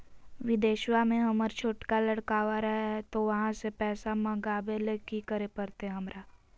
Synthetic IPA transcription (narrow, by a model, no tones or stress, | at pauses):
ʋɪd̪eːʃwamẽɦɐməɾt͡ʃʰoːʈkalɐɽkaːʋaɾɐɦaɦɛt̪oʋɐɦãsepɛːsamɐ̃ɡaːbelekikəɾepɐɾt̪eɛɦɐmɾʔaː